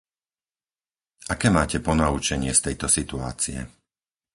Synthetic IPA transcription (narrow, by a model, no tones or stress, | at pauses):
akɛːmaːcɛpɔnaut͡ʃɛɲɪɛst̪ɛjt̪ɔsit̪ua̰ːt͡sijɛ̰